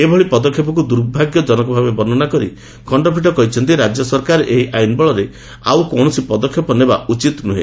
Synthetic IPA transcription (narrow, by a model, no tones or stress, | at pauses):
ebʱɔɭipɔd̪ɔkʰjɔp̬ɔk̬ud̪uɾbʱaɡjɔd͡ʒɔnɔkɔbʱabebɔnɔnakɔɾi | kʰɔɳɖɔpʰiʈɔkɔɦit͡ʃʰɔnt̪iɾad͡ʒjɔsɔɾkaɾeʔeɦiʔajnbɔɭɔɾe | a̰wkɔɳ̃ɔsipɔd̪ɔkʰːjɔpɔnebaut͡ʃit̪nuɦḛ